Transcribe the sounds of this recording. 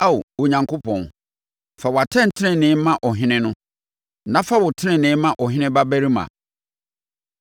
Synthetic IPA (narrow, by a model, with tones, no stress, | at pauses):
a˦˨wwo˨ɲã˨ŋkʰo˦pʰɔ̃˨n | fa˨wa˨tʰɛ̃˦˨n̩˨tʰɪ˦nɪ̃˦˨nɪ̃˦mã˦ʔɔ˨ɦɪ̃˦nɪ̃˦nʊ̃˦ | nã˦fa˦wʊ˨tʰɪ˦ɪ̃˨nɪ̃˨˦mã˦ʔɔ˨ɦɪ̃˦nɪ̃˦ba˦bæ˦ɾi˦mã̰˨